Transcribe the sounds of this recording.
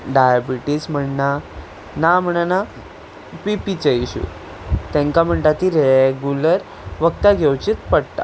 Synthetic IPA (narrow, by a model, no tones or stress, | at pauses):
ɖajabiʈism̤əɳna | nam̤əɽ̃ana | pipit͡ɕəiɕṵ | t̪ɛ̃ŋkam̤əɳʈ̪at̪iɾeɡuləɾ | ʋəkt̪aɡʱewt͡ɕit̪pəɽt̪a̰